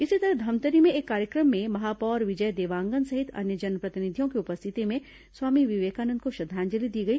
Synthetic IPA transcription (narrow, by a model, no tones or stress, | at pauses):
ɪsit̪ɐɾəɦd̪ʱɐmt̪əɾimẽeːkːaːɾjəkɾəmːẽmɐɦaːpɔːɾʋɪd͡ʒəjd̪eːʋãːŋɡənsɐɦɪt̪ʰɐ̰njəd͡ʒɐnpɾɐt̪ɪnɪd̪ʱjõkiʊpəst̪ʰɪt̪imẽ | swaːmiʋɪʋeːkaːnənd̪̚koʃɐd̪ʱːãːnd͡ʒəlid̪iːɡɐiː